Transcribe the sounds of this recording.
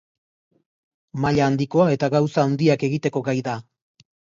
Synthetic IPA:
maʎaːnd̪iko̞ae̞t̪aɣawsaːwnd̪iake̞ɣit̪e̞ko̞ɡajða

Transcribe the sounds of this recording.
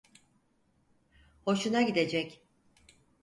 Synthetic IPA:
ho̞ʃunaɟid̪e̞d͡ʒɛc

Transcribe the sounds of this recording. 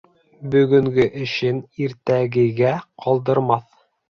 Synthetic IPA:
bɵ̆ɡɵ̆ŋɡɘʔɘ̆ʃɘniɾt̪æɡɘ̆ɡæqʰɑlˠd̪ɤ̆ɾmɑθ

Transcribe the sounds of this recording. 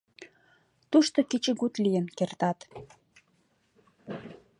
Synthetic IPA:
t̪uʃt̪oket͡ɕə̆ɡut̪lijənkert̪ɑt̪

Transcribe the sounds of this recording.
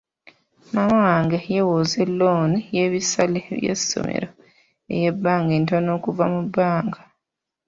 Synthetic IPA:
mamawaːŋɡejewoːzelːoːnije̞βisaleβjḛsːo̰mḛɾo | e̞̰je̞bːaːŋɡeːntono̞ːkuvamubːaːŋɡḁ

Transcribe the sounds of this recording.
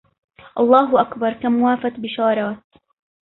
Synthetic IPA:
ʔɑlˤːɑːɦʊʔakbɑɾˤkamʊwaːfat̪bɪʃɑːɾˤɑːt̪

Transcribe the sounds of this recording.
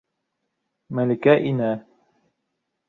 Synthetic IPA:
mælikæʔinæ

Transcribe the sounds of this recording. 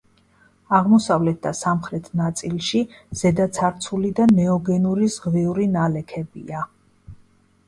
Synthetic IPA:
aʁmɔsavlɛt̪̚ʰd̪asamχɾɛt̪ʰnat̪sʼilˠʃiz̥ɛd̪at̪sʰaɾt̪sʰulid̪anɛɔɡɛnuɾizʁviuɾinalɛkʰɛbḭa

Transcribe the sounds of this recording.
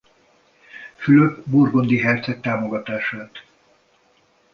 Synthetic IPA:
fyløɡburɡo̞nd̪iɦɛrt̪sɛk̚t̪aːmo̞ɡɒt̪aːʃaːt̪

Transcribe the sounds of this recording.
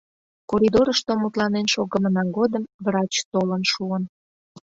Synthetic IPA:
koɾʲid̪oɾəʃt̪omut̪lɑnenʃoɣəmənɑɡod̪əmβrɑt͡ɕt̪olənʃuən

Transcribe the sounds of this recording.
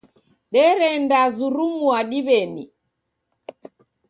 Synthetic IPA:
ɗɛɾɛndazuɾumuaɗiβɛni

